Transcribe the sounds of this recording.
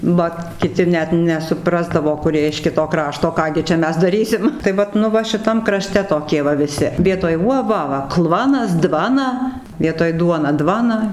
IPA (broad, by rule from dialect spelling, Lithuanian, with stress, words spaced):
ˈʋɐt kʲɪˈtʲɪ ˈnʲɛt nʲɛsʊˈprɑːzdɐʋoː kʊˈrʲiɛ ɪʃ ˈkʲɪtoː ˈkrɑːʃtoː ˈkɑː ɡʲɪ t͡ʃʲɛ ˈmʲɛs dɐˈrʲiːsʲɪm tɐɪ ˈʋɐt nʊ ˈʋɐ ʃʲɪˈtɐm krɐˈʃʲtʲɛ toːˈkʲiɛ ʋɐ ʋʲɪˈsʲɪ ˈʋʲiɛtoːj ˈuɔ ˈʋɐ ʋɐ ˈklˠʋɑːnɐs ˈdʋɑːnɐ ʋʲiɛtoːj ˈduɔnɐ ˈdʋɑːnɐ